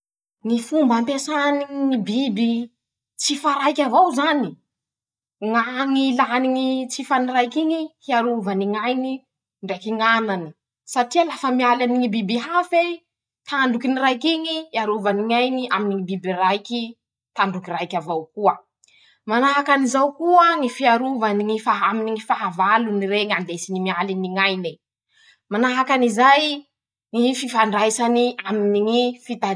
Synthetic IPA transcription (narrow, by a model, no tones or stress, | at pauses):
ŋifumbampesaniŋiŋibibi | t͡sifaɾajkʲavawzani | ŋaŋilaniŋit͡sifanirajkiŋihiaɾuvaniŋajni | ɳɖ͡ʐejkiŋanani | saʈ͡ʂialafəmialaniŋibibiɦafe | t̪ʰaɳɖ͡ʐukinirajkiŋiaɾuvaniŋajniʔaminiŋibibirajkʲi | t̪aɳɖ͡ʐukirajkʲavawkuə | manaɦakanizawkuəŋifiaɾuvaniŋifaɦaminiŋifaɦavaluniɾeŋand̪esinimialiniŋajni | manaɦakanizaj | ŋififaɳɖ͡ʐajsaniaminiŋifit̪a